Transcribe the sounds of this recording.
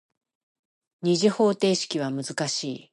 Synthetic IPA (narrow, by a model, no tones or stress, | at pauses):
ɲ̟iʑiho̞ːt̪e̞ːɕi̥kʲiβ̞amɯ̟zɨkaɕiː